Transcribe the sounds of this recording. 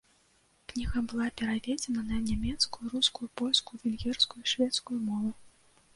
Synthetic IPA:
knʲiɣɐbɨlˠapʲɛɾavʲɛd͡zʲɛnɐnɐnʲamʲɛt̪skujuɾuskujupɔlʲskujuvʲɛlʲɣʲɛrskujuiʂvʲɛt̪skujumɔvu

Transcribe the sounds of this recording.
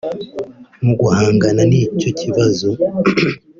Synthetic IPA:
muɡuhaːŋɡananiːco̞cʰiβazo̞

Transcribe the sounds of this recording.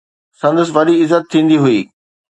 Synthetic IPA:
sɐ̃nd̪əs̬ʋɐɗiɪzət̪ʰːĩːn̆d̪iɦʊiː

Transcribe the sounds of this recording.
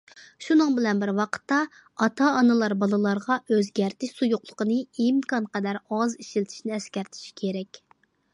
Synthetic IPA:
ʃunɨŋbɪlɛnbɪɾwɑqʰə̥t̪ːɑ | ɑt̪ʰɑːnɨlˠɑɾbɑlˠɨlˠɑɾʁɑøzɡʲæɾt̪ɪʃsujuqlˠəqənɨimkɑnqɛd̪æɾɑziʃilt̪ʰɪ̥ʃnɪɛskʲɛɾt̪ʰɪ̥ʃkʲʰeɾɛkʲ

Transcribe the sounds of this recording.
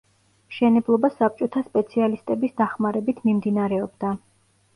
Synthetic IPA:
ʃɛnɛblˠɔbasap̚t͡ʃʼɔt̪ʰaspʼɛt̪sʰialist̪ʼɛbisd̪aχmaɾɛbit̪ʰmimd̪inaɾɛɔbd̪a

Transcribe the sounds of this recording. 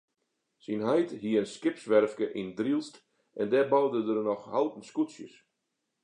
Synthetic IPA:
sinɦɛjtɦiəənskɪpsʋɛrfkəʔindrilˠst | ʔɛndɛbɔwdədərnɔxhalˠtən̩skutsjəs

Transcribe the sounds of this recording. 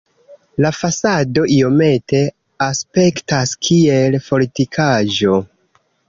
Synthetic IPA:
lafasado̞ʔio̞me̞te̞ | aspe̞ktaskʰie̞lpo̞litikʰaʒo̞

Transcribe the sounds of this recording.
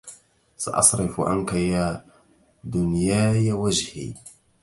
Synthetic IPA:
sɑʔɑ̰sˤɾɪfʔa̰nkaja | d̪ʊnjaːjawad͡ʒhḭː

